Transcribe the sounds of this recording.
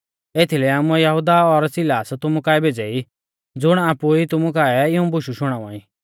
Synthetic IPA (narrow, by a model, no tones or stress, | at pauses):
et̪ʰilɛaːmũɛjɐɦud̪aɔɾsɪlaːst̪ʊmukaːɛbʱed͡zɛi | d͡zʊɽ̃aːpuit̪ʊmukaɛɪũbʊʃuʃʊɽ̃aːʋã̰ːĩ